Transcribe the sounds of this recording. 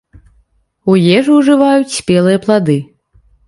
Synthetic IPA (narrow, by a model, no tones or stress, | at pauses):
ujɛʐwʐɨvajut͡sʲsʲpʲɛlˠɨjɐplˠad̪ɨ